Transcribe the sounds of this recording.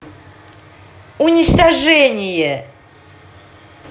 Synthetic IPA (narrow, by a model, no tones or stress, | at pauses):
unʲɪt͡ʃt̪ɐʐɛnʲɪjɛ